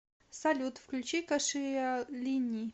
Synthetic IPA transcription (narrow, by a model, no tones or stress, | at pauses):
sɐlʲut̪fklʲut͡ɕikɐʂɨalʲinʲiː